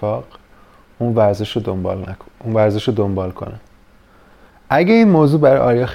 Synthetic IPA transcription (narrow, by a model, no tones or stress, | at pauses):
fɒːɢ | uːnvæɾze̞ʃod̪ombɒ̰ːlnæunvæɾze̞ʃod̪ombɒːlkʰo̞̰ne | ʔæɟeiːnmoːzuːbæɾɒjʔɒːɾjɒx